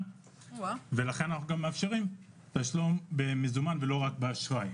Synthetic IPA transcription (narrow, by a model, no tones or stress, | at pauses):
ve̞laχe̞nanaχnuɡamːeafʃeʁim | t̪aʃlombemizumanve̞lo̞ʁakbeaʃʁaj